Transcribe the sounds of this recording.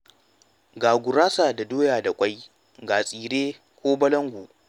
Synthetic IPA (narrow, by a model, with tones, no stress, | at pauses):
ɡaː˨ɡʷʊ˨ɾaː˦saː˨da˨doː˦jaː˨da˨kʷʼa˦j | ɡaː˨sʼiː˨ɾeː˦ | kʷoː˦bɐ˦lɐ˦ŋɡʷu˨ʔ